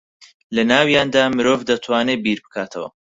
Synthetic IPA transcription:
lɐnaːwjaːnd̪aːmɨɾoːvd̪ɐt̪ʰwaːnebiɾbɨ̥kʰaːt̪ʰɐ̰wɐ̰

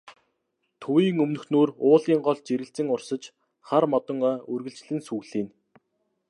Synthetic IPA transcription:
t̪ʰuiːŋɵmnɵ̆xnoːrʊːɮiːŋɢɔɮt͡ɕeɾɘ̆ɬt͡sɘ̆ŋʊrsə̆t͡ɕ | χarmɔt̪ɞ̆ŋœːɵrɣɘ̆ɬt͡ɕɮɘ̆nsuɣɮiːn

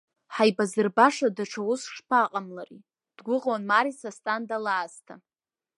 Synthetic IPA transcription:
ħajbazɨrbaʂadaʈ͡ʂʰawʊsʂpʰaqʼamlari | d̥ɡʷʊʁwanmaɾisastʼandalaːztʰa̰

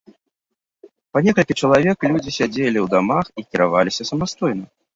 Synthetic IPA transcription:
panʲɛkɐlʲkʲit͡ʂɐlˠavʲɛklʲud͡zʲisʲad͡zʲelʲiwd̪amaxikʲiɾavalʲisʲɐsɐmast̪ɔjnɐ

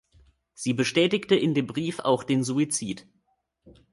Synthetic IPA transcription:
z̥iːbəʃtɛːtɪktəʔɪndeːmbʁiːfa̰ʊxd̥eːnzuit͡siːt

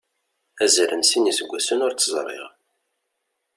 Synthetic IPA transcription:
æzɾənsinisəɡʷːæsənʊɾt͡sːəzˤrˤḭʁ

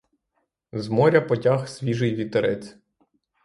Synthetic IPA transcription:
zmɔɾʲɐpɔtʲaxsʲʋʲiʒɪjʋʲit̪eɾɛt͡sʲ

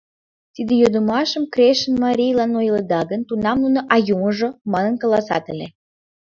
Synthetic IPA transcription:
t̪id̪ejod̪əmɑʃəmkrʲeʃənmɑɾʲijlɑnojlə̆d̪ɑɡənt̪unɑmnunoʔɑjuməʒomɑnənkə̆lɑsɑ̰t̪ə̆lʲe

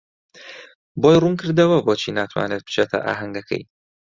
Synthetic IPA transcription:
bojrunkʰɨɾd̪ɐwɐboːt͡ʃʰinaːt̪ʰwa̰ːneːt̪̚bɨ̥t͡ʃʰet̪ʰɐ̰ʔa̰ːɦɐŋɡɐkʰɐ̰j

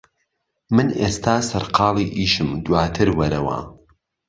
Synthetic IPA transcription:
mɨneːst̪ʰaːsɐɾqɑːlˠiːʔiːʃɨmd̪waːt̪ʰɨɾwɐɾɐwɐ̰

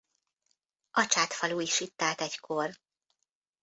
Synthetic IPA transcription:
ɒt͡ʃaːt̪fɒluːjiʃit̪ːaːt̪ɛckʰor

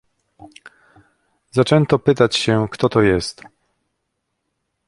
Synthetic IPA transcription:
zat͡ʂɛnt̪ɔpɘt̪at͡ɕɕɛkt̪ɔt̪ɔjɛst̪

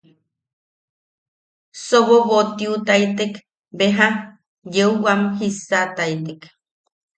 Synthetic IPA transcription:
soβoβot̪iut̪ait̪ek | beɦa | jeuwamhisat̪ait̪ek

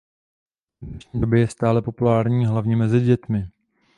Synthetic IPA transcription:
nɛʃɲiːdobjɛjɛst̪aːlɛpo̞pulaːɾɲiːɦlavɲɛmɛzɪɟɛt̪mɪ

